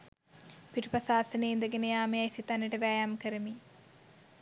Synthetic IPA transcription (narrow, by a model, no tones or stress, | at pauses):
piʈupɐsaːsɐneːind̪əɡenəjaːmejajsit̪anːəʈəʋæːjamkəɾəmi